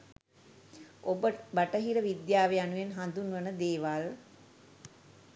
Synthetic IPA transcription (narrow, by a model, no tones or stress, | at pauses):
obəbaʈəɦiɾəʋid̪jaːʋeanuʋenɦand̪unʋənəd̪eːʋal